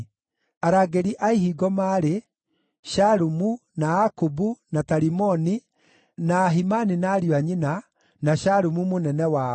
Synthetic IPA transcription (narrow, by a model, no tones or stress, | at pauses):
aɾaːɡeɾiʔaiɦiɡɔmaɾe | ʃaɾumunaakubunataɾimɔni | naːɦimaninaːɾiwaɲina | naɕaɾumumonɛnɛwa